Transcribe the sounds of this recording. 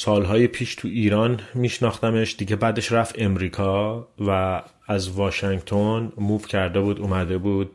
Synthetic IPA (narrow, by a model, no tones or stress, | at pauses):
sɒːlɦɒːjepʰiːʃt̪ʰuiːɾɒːnmiːʃnɒːxt̪æme̞ʃd̪iɟe̞bæːd̪e̞ʃɾæfe̞mɾiːkʰɒːvæː | zvɒːʃæŋɡt̪ʰonmuːfcʰæɾd̪e̞buːd̪umæd̪e̞buːd̪̥̚